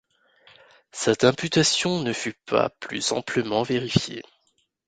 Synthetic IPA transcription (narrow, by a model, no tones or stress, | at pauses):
sɛt̪ɛ̃pyt̪asjɔ̃nəfypʰa̰plyzɑ̰̃pləmɑ̃veʁifjḛ